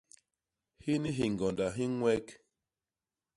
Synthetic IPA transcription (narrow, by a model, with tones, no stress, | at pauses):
hi˦ni˦ɦi˨ŋɡɔ˨nda˨ɦi˦ŋwɛ˦k